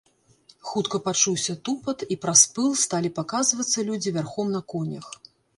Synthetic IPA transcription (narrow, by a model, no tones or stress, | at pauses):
xut̪kɐpat͡ʂuwsʲɐt̪upɐt̪ipɾaspɨlˠst̪alʲipakazvɐt̪sːɐlʲud͡zʲivʲarxɔmnɐkɔnʲɐx